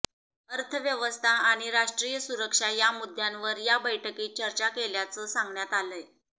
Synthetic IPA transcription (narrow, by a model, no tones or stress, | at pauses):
əɾt̪ʰəʋjəʋəst̪ʰaaɽ̃iɾaʂʈɾijəsuɾəkʂajamud̪ʱjãnʋəɾjabəjʈʰəkiːt͡ɕəɾt͡ɕakeljat͡səːsãŋɡɳjat̪aləj